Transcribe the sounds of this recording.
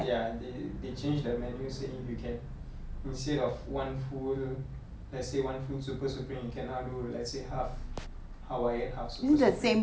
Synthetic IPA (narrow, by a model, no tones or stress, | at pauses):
jadedet͡ʃẽnd͡ʒdəmɛnjuseifjukʰɛ̃n | ĩnstɛɾɔfwãnful | lɛtsewãnfudsupəsupɹĩŋjukʰɛ̃nadolɛ̰tsehaf | hawajɛt̚hasuudəsẽ